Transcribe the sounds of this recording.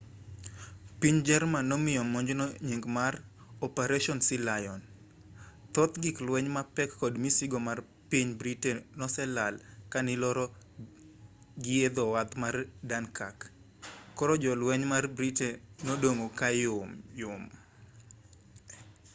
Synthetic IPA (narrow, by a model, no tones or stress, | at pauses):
piɲd͡ʒɛrmanːɔmɪɔmːɔɲd͡ʒnɔɲiŋɡmarɔpeɾɛʃɔnsɪlajɔn | t̪ɔt̪ɡɪklwɛɲmapɛkːɔdmisiɡɔmar | piɲbɾitenɔsɛlalkanɪlɔɾɔ | ɡɪed̪ɔwat̪mardankakː | ɔɾɔd͡ʒɔlwɛɲmarbɾitenodoŋokajmjʊm